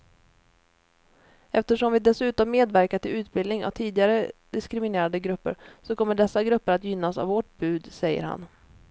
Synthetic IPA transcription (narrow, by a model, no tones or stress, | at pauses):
ɛft̪əʂɔmvɪd̪ɛsʉ̟ːt̪ɔmːeːd̪væɾkaʈɪlʉ̟ːt̪̚bɪlnɪŋa̰vt̪ʰiːd̪ɪɡaɾəd̪ɪskɾɪmɪneːɾad̪əɡɾɵpːə̰ɾsɔkʰɔmːəɖɛsːaɡɾɵpːəɾat̪jʏnːasa̰vɔʈ̚bʉ̟ːd̪sɛjːə̰ɾha̰n